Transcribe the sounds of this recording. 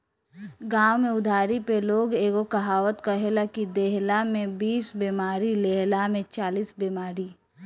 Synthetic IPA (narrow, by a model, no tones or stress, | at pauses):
ɡaːwmẽʊd̪ʱaːɾipeloːɡeːɡokɐɦaːwət̪kɐɦeləkid̪eɦlamẽbiːsbeːmaːɾileɦlamẽt͡ʃaːliːsbeːmaːɾi